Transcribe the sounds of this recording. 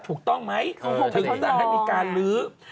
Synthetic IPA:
t̪ʰuː˨˩k̚t̪ɔ˥˩ŋma˦˥jt̪ʰɯ˨˦˧t̪a˥˩ɦa˥˩jmiː˧˩˧kaː˧nlɯː˦˥

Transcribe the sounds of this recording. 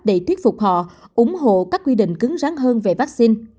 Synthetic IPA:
ɗe˧˩t̪ʰwi˦˥t̚fʊ˨˩k͡p̚hɔ̰˧˨ʔʊ˨˧˦ŋ͡mɦo̰˧˨kaː˦˥k̚ːwi˧ɗḭ̈˧˨ŋ̟kɨ˨˦ŋzaː˨˦ŋɦəː˧nve˨˩vaː˦˥k̚si˧n

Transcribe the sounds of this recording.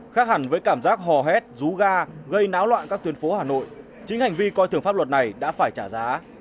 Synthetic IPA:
xaː˦˥k̚ha˨˧˩ŋvəː˨˦jkaː˧˩mzaː˦˥k̚ɦɔ˨˩ɦɛ˦˥t̚zu˨˦ɣaː˧ɣə˧jnaː˨˦wlwa̰ː˧˨nkaː˦˥k̚t̪i˨˦nfo˨˦haː˨˩no̰˧˨jʔ | t͡ɕï˨˦ŋ̟ha˨˩jŋ̟vi˧kɔ˧jt̪ɨ˨˧˩əŋfaː˦˥p̚lə˨˩t̚na˨˩jɗa̰ː˧˥faː˧˩jt͡ɕaː˧˩zaː˨˦

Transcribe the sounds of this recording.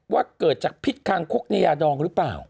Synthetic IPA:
waː˥˩kɤː˨˩t̪̚t͡ɕaː˨˩k̚pʰi˦˥t̪̚kʰaː˧ŋkʰo˦˥k̚na˧jaː˧dɔː˧ŋɾɯ˦˥pla̰ː˨˩w

